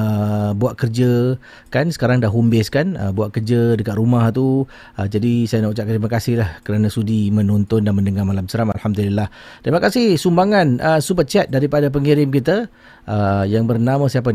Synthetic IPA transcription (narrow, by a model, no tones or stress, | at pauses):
buaʔ̪̚kərd͡ʒə | kansə̥kaɾaŋdaʔɦumbɪskanə̰buaʔ̚kərd͡ʒədəkat̪rumaht̪u | əd͡ʒadisajanaut͡ʃaʔkat̪rɾimakasɪhlahkəɾanãsudimənɔnt̪ɔndanməndəŋamalamsɾama̰lhamdulilːah | t̪ɾimakasɪhsumbaŋanʔəsubət͡ʃɛt̪̚daɾipadap̬əŋiɾɪmkit̪̬ə | ʔəjaŋbərnamãsiap̬a